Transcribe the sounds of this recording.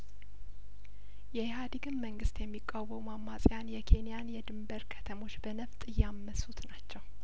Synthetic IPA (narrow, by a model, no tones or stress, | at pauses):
jɛjɦad̪ɨɡɨmːəŋɡɨst̪jɛmːikʼːawəwumamːasʼjanjɛkʰe̞nijanjɛd̪ɨmbəɾkʰə̥t̪ʰəmo̞t͡ʃːbənəft̪ʼɨjːamːəsut̪nat͡ʃːɛw